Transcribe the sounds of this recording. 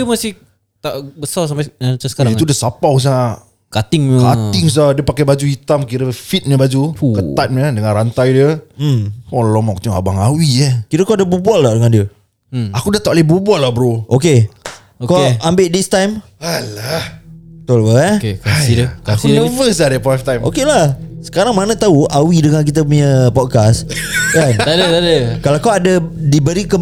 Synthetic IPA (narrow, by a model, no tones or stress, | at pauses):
əmasɪh | t̪aʔbəsals̬ampaat͡ʃasə̥kaɾait̪udiəsapaws̬aaʔ | kat̪ɪŋəkat̪ɪŋs̬adiəpakɛbad͡ʒuit̪amkiɾəfit̪̚ɲəbad͡ʒukət̪at̪̚mədəŋãnɾant̪ajdiə | kɔllɔmɔk̚t̪uŋa̰baŋawiakiɾəkodəbubualːadəŋãndiə | akudat̪aʔlebubualahbɾoʔoke | kawambɪʔdist̪ajm | alahət̪olkəakkasidəkasiəvəs̬ladəpaft̪ajmʔo̰kelahsə̥kaɾaŋmanat̪auawidəŋãnk̬it̪əpuɲəpɔt̚kaskanadəadəkalakawadadibəɾikə